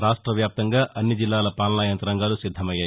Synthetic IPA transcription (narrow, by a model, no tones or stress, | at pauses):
ɾaːʂʈɾɐʋjaːp̚t̪ɐŋɡaːʔɐnːid͡ʒilːaːlɐpaːlnaːjɐnt̪ɾɐŋɡaːlusid̪ʱːɐmɐjaːj